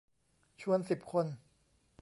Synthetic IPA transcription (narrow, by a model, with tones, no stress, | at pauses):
t͡ɕʰu˧ənsi˨˩p̚kʰo˧n